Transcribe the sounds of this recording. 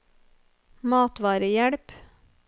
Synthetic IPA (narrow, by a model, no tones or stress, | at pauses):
mɑːt̪ʋɑːɾəjæɽp